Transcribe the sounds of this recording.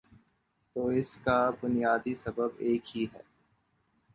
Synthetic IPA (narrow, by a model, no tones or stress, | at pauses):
t̪oːɪskabʊnijaːd̪isɐbəbeːkɦiɦɛ̰ː